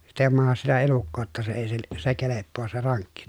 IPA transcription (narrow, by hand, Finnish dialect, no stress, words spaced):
sit ei mɑhɑs sitæ elukːoː tːɑ se eˑi sil se kelepːoːs se rɑŋkːi